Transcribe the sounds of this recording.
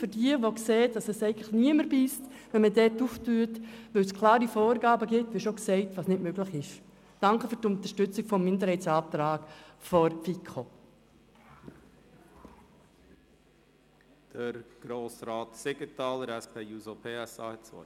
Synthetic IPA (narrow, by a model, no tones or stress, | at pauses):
fʏɾdiəʋokseːtd̥ɑsɛsɛɪɡənləχniəməɾbistʋɛnmədɛtuftyːətʋœskʰlɑːɾifɔːɾɡɑːbəɡɪtʋɪʃoksɛɪtʋɑːsnɪtmøɡ̥lɪχɪʃ | d̥ɑŋkəfʏɾtʊnt̪əʃtʏt͡sɪɡ̥fɔmːɪndəɾhɛɪt͡sɑːp̚t̪ɾɑːkfɔɾfikʰo | d̥əɾɡ̥ɾoːsɾɑːtseɡətɑːləɾɛspʰeːuːzopʰeːɛsɑ̰ːhɛtt͡sɔ̰